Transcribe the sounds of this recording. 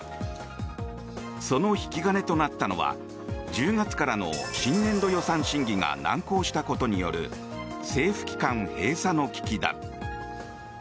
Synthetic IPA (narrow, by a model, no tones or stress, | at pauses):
so̞no̞çi̥kʲiɡane̞t̪o̞nat̪ːano̞βa̰ | d͡ʑɨːɡat͡sɨ̥kaɾano̞̰ɕĩnːẽ̞nd̪o̞jo̞sãɰ̃ɕĩŋɡʲiŋa̰nã̰ŋko̞ːɕi̥t̪ako̞t̪o̞ɲ̟ijo̞̰ɾɯ̟̰ | se̞ːɸɯ̟̥kʲi̥kãɰ̃he̞ːsano̞kʲi̥kʲid̪a̰